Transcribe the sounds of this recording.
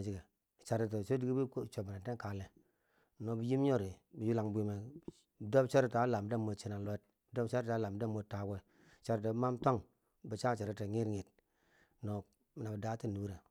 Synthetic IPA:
d͡ʒi˨ɡe˨ | t͡ʃa˨ɾi˨t̬e˨so˦di˦ɡi˦bi˦kt͡ʃo˨bi˨na˨te˦ŋ˦ka˨le˨ | no˨bi˨ji˦m˦o˦ɾi˨bi˨ju˦la˨ŋbʷi˦me˨ | do˦bt͡ʃa˦ɾi˨ta˨˦la˨m˨de˦˨mo˨t͡ʃi˦na˨lo˨˦t̚do˦bt͡ʃa˦ɾta˨˦la˨m˦de˦mo˨ta˨ɡe˦˨ | t͡ʃa˨ɾi˨to˨bma˦mto˦ŋ | bi˨t͡ʃa˦˨t͡ʃa˨ɾi˦te˨ŋi˦ɾŋi˨t | no˨ | mi˨na˨bi˨da˦ti˦˨nu˨˦ɾe˨

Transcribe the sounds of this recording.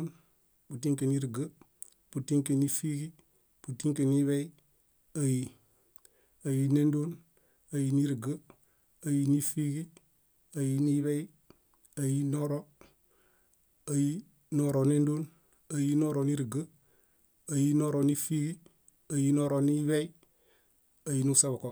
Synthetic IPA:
n | bu˨tiŋke˨niɾɡə | putiŋke˨ni˦fi˦ɡi˦ | b̥utiŋke˨ni˦βei | aji | ajinendoːn | ajini˦ɾɡə | ajini˦fi˦ɡi˦ | a˨ji˦ni˦βe˦i˦ | a˨ji˦no˦ɾo˦ | a˨ji˦ | noɾo˨ne˦ndo˦n | a˨ji˦no˦ɾo˨ni˦ɾɡə˦ | a˨ji˦no˦ɾo˨ni˦fi˦ɡi˦ | a˨ji˦no˦ɾo˨ni˦βe˦i˦ | a˨ji˨nu˦sa˦ba˨ko˨

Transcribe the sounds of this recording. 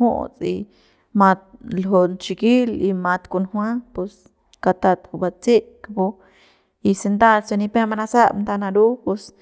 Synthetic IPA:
hṵ˦ʔt͡sʼḭ˧ | mã˧t̪̚lɦo˧nt͡ʃi˧ki˦li˧mã˧t̪ku˧nhwã˦pu˧s | ka˧t̪a˧t̪ku˧ba˧t͡se˦ʔkapo˧ | i˧se˧nt̪a˦lt͡se˧ni˧pẽ˦ma˧na˧sa˦nt̪a˧nã˧ɾu˦pe˧s

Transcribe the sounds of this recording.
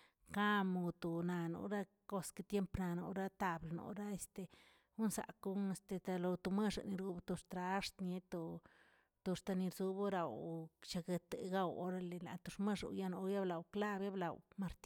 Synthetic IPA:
ka˦mu˧˨˧t̪o˨na˧no̰˧ɾa˦ | ko˦ske˧t̪je˦mpna˨˧no̰˧ɾa˦t̪a˧blno̰˨ɾa˦e˧st̪e˨ | u˦nsa̰˨ku˦ŋe˧st̪e˧t̪a˧lo˧t̪u˧me˦ʂa̰˨ni˧ɾu˧bt̪u˧ʂt̪ɾa˧˦ʂt̪nje˧t̪o˧ | t̪u˧ʂt̪a˧ni˧ɾzu˧bo˦ɾa˨wt͡ʃa˧ɡe˧t̪ḛ˨ɡa˦wo̰˦ɾa˦le˨na̰˨t̪u˧ʂme˦ʂa̰˨˧ja˦no˧ja˦bla˨wkla˦bja˦bla˨wma˧ɾt̪

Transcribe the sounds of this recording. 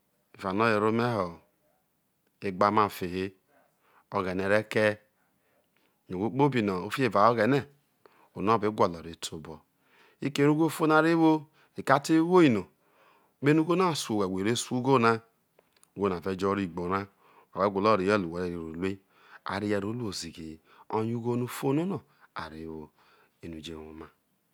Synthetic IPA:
e˨va˨no˦je˨ɾo˦me˦ɦɔ˨ | e˦ɡ͡ba˦ma˦˨fe˨ɦe˦ | o˦ɣɛ˨ne˨ɾe˦ke˦˨ | no˨ɡʷo˦k͡po˦bi˨nɔ˨o˦fi˦e˨va˨o˦ɣɛ˨ne˦ | o˨no˦˨be˨˦ɡʷɔ˨lɔ˨ɾe˨˦tʰo˨bɔ˨ | i˦ke˦ɾu˦ɡo˦fo˦na˨ɾe˦wo˦ | i˨ka˦te˦wo˦i˨no˨ | be˦nu˦ɡo˦na˦˨so˨we˨wʷe˨ɾe˦su˦ɡo˦na˦ | u˦ɡo˦na˨ve˨˦d͡ʒɔ˦ɾi˦˨ɡ͡bo˨ɾa˦ | o˨e˨˦ɡʷo˨lɔ˦˨ɾi˨˦e˦˨lu˨e˨ɾe˨i˨ɾo˨le˦ | a̰˨ɾi˦jɛ˨ɾo˦lu˦o˨zi˨ɡe˨ | o˦ɲ˦u˦ɡo˦nu˦fo˦no˦nɔ˨ | a̰˨ɾe˨˦wo˦ | e˨nu˨d͡ʒe˨wo˨ma˨

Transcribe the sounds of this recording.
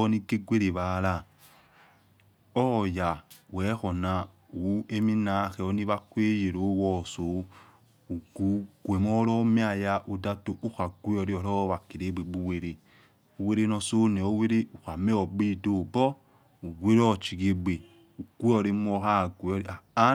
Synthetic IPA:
ɔ˦ni˦ɡe˦ɡʷe˦ɾe˨βa˨la˦˨ | ɔ˦˨ja˨wɛ˨˦xɔ˨na˨ | u˨we˦mi˦na˦xɛ˨ɔ˦ni˦βa˦kʷe˦je˨ɾo˨˦wɔ˦˨so˨˦ | u˨ɡu˨˦ɡʷe˨mɔ˦ɾɔ˦mi˦a˨ja˦ʔo˨da˦to˨ʔu˦xa˨ɡʷe˦ɔ˨ɾi˦ɔ˨ɾɔ˦wa˨ke˨ɾe˨˦ɡ͡be˨ɡ͡bu˦we˨ɾe˨ | u˨we˦ɾe˦nɔ˨so˦nɛ˨o˦we˦ɾe˦u˨xa˨mɛ˦ɔ˨ɡ͡be˦˨do˦˨bɔ˦ | u˨we˦ɾɔ˦˨t͡ʃi˨ɡe˦ɡ͡be˨ | u˨ɡʷu˦ɔ˨ɾe˦m˦ɔ˦xa˦˨ɡʷe˨ɔ˦ɾa˨˦

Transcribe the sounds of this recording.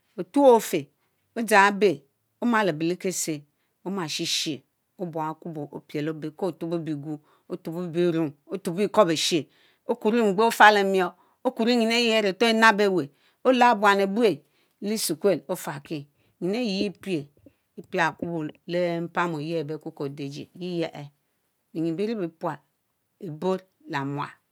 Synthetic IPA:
o˨tu˦o˦fe˨ | o˦d͡ʒa˨˦be˨ | o˦ma˨le˨bi˨li˦ke˦se˨ | o˦ma˨ʃi˦ʃe˨ | o˦bo˨a˨ku˦bo˨ʔo̰˨pe˨lo˦be˨ko˦˨tu˦bo˦bi˨ɡu˦ | o˦tu˨bo˦˨bi˦˨˦ɾu˦ŋo˦tu˨bi˦ko˦be˨ʃi˦e˨ | o˦ku˨ɾi˦ŋ͡m̩˨ɡ͡be˦o˦fa˦le˨mjo˦ | o˦ku˨ɾi˦ɲi˨ne˦je˦ɾe˨to˦e˦na˦be˦˨we˨ | o˦la˦bwa˨ne˨bu˦e˨˦ | li˦su˨kʷe˦˨lo˦fa˨ki˦˨ | ɲi˨ne˦ji˨ji˦pi˦e˨ | i˦pi˦a˨ku˦bu˨le˦m̩˦pa˦mo˨je˦˨be˦˨ku˦ko˨de˨d͡ʒḛ˨ji˦je˦ʔe˨ | e˨ɲi˨bi˦ɾi˦bi˨˦pwa˨ | e˨bo˦ɾ | la˨mwa̰˨

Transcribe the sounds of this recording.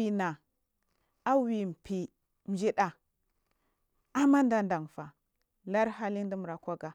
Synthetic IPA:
i˨na˨ | a˦wi˨m˨pi˨ | m̩˨d͡ʒi˦ɗa˨ | a˦ma˦n˦da˦nda˨ŋfa˨ | la˦ɾha˦li˦n˦di˦mu˨ɾa˨kʷa˦ɡa˦

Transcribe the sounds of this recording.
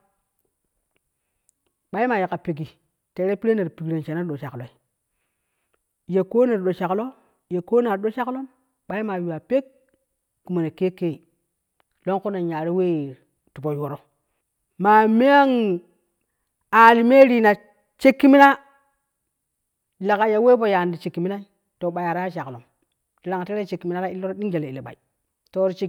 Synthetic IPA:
ɓa˦i˦ma˨je˨ka˨pi˨ɡ̬i˨ | te˨˦ɾe˦pi˦ɾe˦ne˨ɾpi˨ɡɾe˨nt͡ʃe˨na˦ɗo˨ʃa˨klo˨i˦ | je˨ko˦ne˨ɾɗo˨ʃa˨klo˦ | je˨ko˦na˨ɾɗo˦t͡ʃa˦klo˦m | ɓa˦i˦ma˨ju˨wa˨pe˦k̚ | ku˨mo˨ne˨ke˦ke˦˨ | lo˦ŋko˦na˨ɲa˨ɾi˦we˦˨ | tu˨bo˨jwo˨ɾo˦ | ma˨me˦a˦ŋ | a˨li˨me˦ɾi˨na˨ | t͡ʃe˦kːi˦mi˦na˦ | la˨ka˨ja˨we˦po˨ja˨ndi˨t͡ʃe˨kːi˨mi˦na˦i˦ | to˨ɓa˨ja˨ɾa˦ja˦ʃa˨klo˨m | ti˨ɾa˨ŋa˨te˦ɾe˦t͡ʃe˨kːi˨mi˦na˦ɾa˦i˦lːo˦ɾo˦ɗi˦ŋd͡ʒe˨le˨i˨le˨ɓa̰˨i˨ | to˨˦ɾt͡ʃe˦

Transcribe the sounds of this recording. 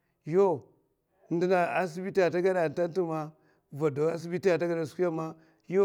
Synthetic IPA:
jo˦ | ndi˨na˨a˨s̬i˦bi˦ti˦ja˨ta˦ɡa˦da˨n˨ta˦ntu˦ma˦ | va˨do˨a˦s̬i˦bi˦ti˦ja˨ta˦ɡa˦da˨s̬ku˦a˦ma˦ | jo˦

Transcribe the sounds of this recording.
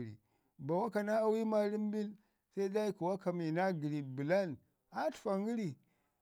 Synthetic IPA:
ɾḭ˨ | ba˨wa˦ka˨na˦a˦wi˦ma˦ɾi˦m˦bi˦l | sa˦i˦da˦i˦ku˨wa˦ka˨mi˨na˦ɡi˨ɾi˨bi˨la˦˨n | a˦tu̥˨fa˨ŋi˦ɾi˨

